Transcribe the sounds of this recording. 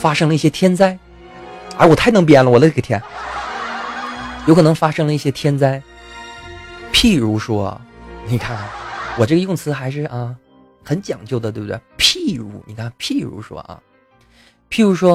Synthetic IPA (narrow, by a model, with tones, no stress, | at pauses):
fa˥ʂɤ˥ŋlə˧i˥˩ɕjɛ˥t̪ʰjɛ˥nt͡sa˥˩ɪ | ə˞˧˥wɔ˨˩a˥˩ɪnɤ˧˥ŋp̬jɛ˥˩nlə˨wɔ˨˩lə˦ʈ͡ʂə˩t̪ʰjɛ˥n | jkʰɤ˨˩nɤ˧˥ŋfa˥ʂɤ˥ŋlə˧i˥˩ɕjɛ˥t̪ʰjɛ˥nt͡sa˥˧ɪ | pʰi˥˩ɻu˧˥ʂwɔ̰˥ni˨˩kʰa˥˩n˨˩wɔ˨˩ʈ͡ʂɤ˥˩ɡə˧jʊ˥˩ŋt͡sʰɹ̩˧˥xa˧˥ɪʂ̬ɻ̩˥˩ʔɐ˥˧ | xə˧˥nt͡ɕjɑ̰˨˩ŋt͡ɕjʊd̪ə˩t̪we˥˩b̪̚wɛ̰˥˩ɪpʰi˥˩ɻṵ˧˥ni˨˩kʰa˥˩npʰi˥˩ɻṵ˧˥ʂwɔ̰˥ʔɐ̰˧ | pʰi˥˩ɻu˧˥ʂwɔ˥